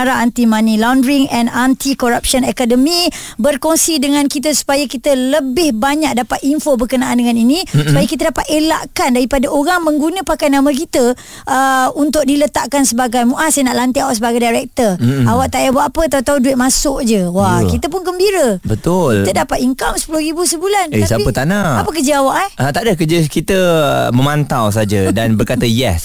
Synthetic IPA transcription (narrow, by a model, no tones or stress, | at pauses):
aɾaant̪imanilawndɾiŋɛnant̪ikoɾap̚ʃənɛkadəmĩbərkoŋsidəŋãnkit̪̬əsu̥pajakit̪ələbɪhbaɲak̚dapat̪iɱfobərkənaʔːndəŋaninĩsupajakit̪̬ədapat̪̚ela̰ʔkandaɾipadaʔoɾaŋmə̃ŋɡunə̃pakajnãmə̃k̬it̪ə | ʔəunt̪ʊk̚dilət̪aʔkansəbaɡajmuʔasajnaʔlant̪̬iawaʔsəbaɡajdajɾɛk̚t̪ərawaʔt̪ajabaʔapət̪aut̪auduɪt̪̚masʊʔ̚d͡ʒəwakit̪əp̬ʊnkəmbiɾəbət̪ʊlt̪ədapat̪iŋkamsə̥pulʊhɾibusəbulaneasaiət̪anaapək̬ərd͡ʒəawaʔaat̪aʔdəkəd͡ʒəkit̪əməmant̪aws̬ad͡ʒədanbərkat̪əjɛs